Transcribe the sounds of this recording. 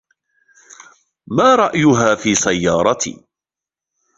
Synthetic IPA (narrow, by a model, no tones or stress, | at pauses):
maːɾˤɑʔjʊɦaːfiːsajːɑːɾˤɑt̪ḭː